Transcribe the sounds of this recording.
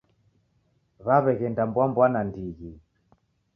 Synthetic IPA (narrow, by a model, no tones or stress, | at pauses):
βaβɛɣɛndambwambwanandiɣi